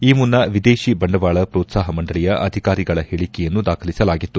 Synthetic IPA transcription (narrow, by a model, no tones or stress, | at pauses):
iːmunːɐʋid̪eːʃibɐɳɖɐʋaːɭɐpɾɔːt̪saːɦɐmɐɳɖɐɭijɐʔɐd̪ʱikaːɾiɡɐɭɐheɭikɛjɐnːud̪aːkʰɐlisɐlaːɡit̪ːu